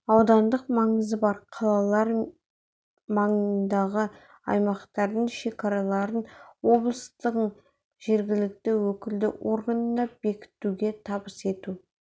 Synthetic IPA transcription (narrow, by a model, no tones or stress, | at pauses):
ɑwd̪ɑnd̪əqmɑɴəzəbɑɾqʰɑlˠɑlˠɑɾ | mɑɴənd̪ɑʁə | ɑ̰jmɑqt̪ɑɾd̪əɴʃe̞kɑɾɑlˠɑɾənwo̞blˠəst̪əq | ʒe̞ɾɡʲɪlɪk̚t̪ɪwɵkʲɪld̪ɪ̰wʔo̞̰ɾɡanənɑbe̞kʲɪ̥t̪uɡʲe̞t̪ʰɑbəse̞t̪u